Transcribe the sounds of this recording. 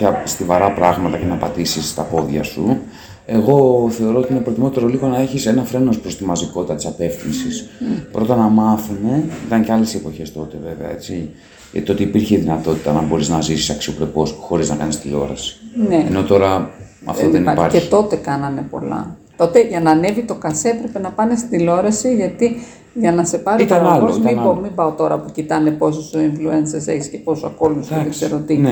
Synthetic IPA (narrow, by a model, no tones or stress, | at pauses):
cɐst̪ivɐɾɐpɾɐɣmɐt̪ɐce̞nɐpɐt̪isist̪ɐpo̞ðʝɐ̰su | e̞ɣo̞θe̞o̞ɾo̞ot̪iinepɾot̪imo̞t̪e̞ɾo̞liɣo̞nɐe̞çise̞nɐfɾe̞no̞spɾo̞st̪imɐziko̞t̪it̪ɐt̪i̥sɐpe̞fθinsispɾo̞t̪ɐnɐmɐθume̞it̪ɐŋceɐle̞se̞po̞çe̞st̪o̞t̪e̞ve̞veɐ̰e̞t͡si | ɐ̰it̪ot̪iːpiɾçeiðinɐt̪o̞t̪i̥t̪ɐnɐbo̞ɾiznɐzisi̥sɐksio̞pɾe̞po̞sxo̞ɾiznɐkɐnist̪iʎo̞̰ɾɐ̰si̥neeno̞t̪o̞ɾɐɐ̰ft̪oðenɐpɐɾçet̪o̞t̪e̞kɐnɐne̞po̞̰lɐ̰t̪o̞t̪e̞ʝɐnɐːne̞vit̪o̞kɐseepɾe̞pe̞nɐpɐne̞st̪ilo̞ɾɐsiʝɐt̪i | ʝɐnɐse̞pɐɾiit̪ɐmɐlozmiomibɐot̪o̞ɾɐpucit̪ɐne̞po̞sosoiɱfluensese̞çi̥sce̞po̞soɐko̞lusekseɾot̪ine